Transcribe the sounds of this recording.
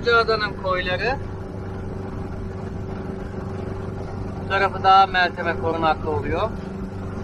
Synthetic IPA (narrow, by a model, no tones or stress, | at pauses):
d͡ʒuad̪anɯnkʰojlˠaɾɯ | ut̪ʰaɾafɯd̪aɦamælʲt̪ʰe̞mɛkʰo̞ɾunaklˠɯo̞lˠujoɾ